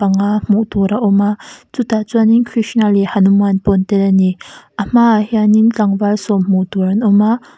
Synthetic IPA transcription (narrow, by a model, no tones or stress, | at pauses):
aŋam̥uʔt̪ɔɾaʔɔmat͡sut̪at͡suaninkʰɾiʃnalihanumanpɔnt̪ɛlaniʔəm̥aʔhjanint͡ɬaŋvalsɔm̥uʔt̪uɾanɔma